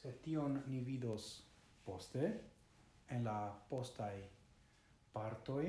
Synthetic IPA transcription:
setio̞nːivido̞s | po̞ste̞ | enlapo̞staj | paɾto̞j

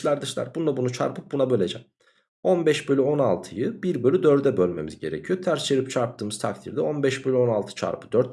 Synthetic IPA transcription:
lˠaɾd̪ɯʃlˠa̰ɾbunlˠabunut͡ʃʰa̰ɾpʰɯp̚bunabølʲed͡ʒɛ̰m | o̞nbɛʃbølʲyo̞nalˠt̪ʰɯjɯbiɾbølʲyd̪øɾd̪ɛbølʲme̞̰mḭzɟe̞̰ɾe̞̰cʰijot̪ʰæɾst͡ʃʰeɾip̚t͡ʃʰaɾp̚t̪ʰɯːmɯz̥t̪ʰakt̪ʰḭɾd̪ɛo̞nbɛʃbølʲyo̞nalˠt̪ʰɯ̥t͡ʃʰa̰ɾpʰɯd̪øɾt̪̚

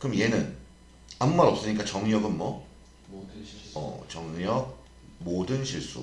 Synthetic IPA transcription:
kɯɾʌmje̞nɯn | amumaɾʌp̚s͈ɯɲik͈at͡ɕʌŋɲʌɡɯnmwʌ | ʌ̰t͡ɕʌŋɲʌɡ̚ | modɯnɕʰiɭs͈ṵ

